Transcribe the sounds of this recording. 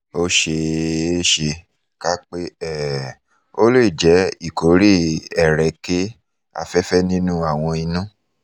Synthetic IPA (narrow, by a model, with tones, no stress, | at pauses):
o˦ʃe˧˦ʃe˧ | ka˦k͡pe˦ɛ˦˨ | o˦le˦˨d͡ʒɛ˨˦i˦˨ko˨˦ɾi˦ɛ˦˨ɾɛ˨˦ke˦ | a̰˧fɛ˦fɛ˦nĩ˦nũ˦a˦˨w̃ɔ̃˧i˧nũ˦